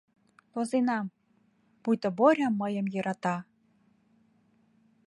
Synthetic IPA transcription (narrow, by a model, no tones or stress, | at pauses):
p̪ozenɑm | pujt̪ə̆boɾʲɑmːəjə̆mjɤɾʔɑt̪ɑ